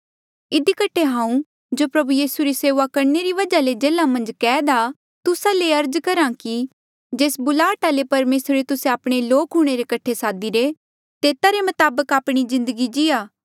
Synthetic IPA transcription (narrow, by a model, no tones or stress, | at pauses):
ɪd̪ikəʈʰeɦãːũ | d͡ʒoːpɾɐbujiːsuɾiseːʋakɐɾneɾiʋɐd͡ʒaled͡ʒeːlamɐ̃nd͡ʒkɛːd̪a | t̪ʊsaleɐɾd͡ʒkɐɾãki | d͡ʒeːsbʊlaːʈalepɐɾmeːsɾɾet̪ʊsẽaːpɽ̃eloːkɦuɽ̃eɾekɐʈʰesaːd̪iɾe | t̪eːt̪aɾemɐt̪aːbəkaːpɽ̃izɪ̃nd̪əɡid͡ʒɪjaː